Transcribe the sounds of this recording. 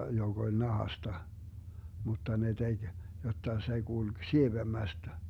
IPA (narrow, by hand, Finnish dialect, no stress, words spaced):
joɡ̊ olʲ nɑhɑstɑ mutːɑ ne teɡ̊ jotːɑ se ɡ̊ulɡ̊ sieʋemːæstæ